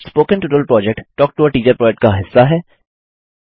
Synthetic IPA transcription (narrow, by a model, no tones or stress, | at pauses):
spoːkə̃nʈuːʈəlpɾɔːd͡ʒɛk̚ʈʈɔːk̚ʈoːəɾʈiːt͡ʃəɾpɾɔːd͡ʒɛk̚ʈ̚kaɦɪsːaɦɛː